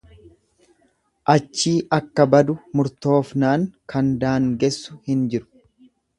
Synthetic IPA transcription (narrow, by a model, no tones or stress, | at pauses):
ʔɐt͡ʃːiːʔɐkːɐbɐd̪ʊmʊɾt̪o̞ːfnaːŋkʰɐnd̪aːŋɡɛsːʊhɪnd͡ʒɪɾʊ̥